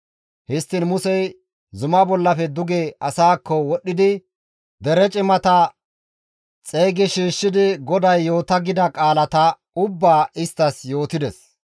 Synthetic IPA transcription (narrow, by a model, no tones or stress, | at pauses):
hɪst̪ːɪnmʊsɛj | zʊmɐbɔlːɐfɛd̪ʊɡeɐsaːkːɔwɔɗːɪd̪ɪ | d̪ɛɾɛt͡ʃʼɪmɐt̪ɐ | t͡sʼeːɡɪʃiːʃːɪd̪ɪɡɔd̪ɐjːo̞ːt̪ɐɡɪd̪ɐkʼaːlɐt̪ɐ | ʊbːaːɪst̪ːɐsjo̞ːt̪ɪd̪ɛs